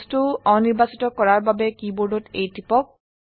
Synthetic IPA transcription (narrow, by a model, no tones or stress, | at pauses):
stʊɔniɹbasi̥tɔkɔɹaɹbabɛkibɔdɔtejtipɔk̚